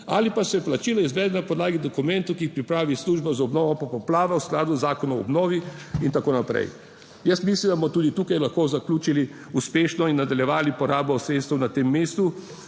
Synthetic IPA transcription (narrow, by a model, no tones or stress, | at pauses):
a̰lipasɛplat͡ʃiːlɔizʋɛːd̪napɔd̪laːɡid̪ɔkumɛnt̪ukiːxpɾipɾaːʋisluːʒbazaɔbnɔːʋɔpɔpɔplaːʋawsklaːd̪uzaːkɔnɔɔ̰bnɔːʋiint̪akoːnapɾɛ̰j | jəst̪mislimd̪abmɔt̪uːd̪it̪uːkajlaxkoːzaklʲuːt͡ʃili | uspeːʃnɔinːad̪aljɛʋaːlipɔɾaːbɔɔsɾet̪st̪wnat̪emːeːst̪u